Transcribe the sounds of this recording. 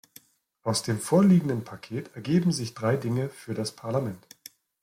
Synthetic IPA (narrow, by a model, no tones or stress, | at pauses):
ʔaʊsd̥eːmfoːɐliːɡŋ̩dənpʰakʰeːtɛɐɡeːbm̩zɪçd̥ʁaɪdɪŋəfyːɐɾaspʰaɐlamɛnt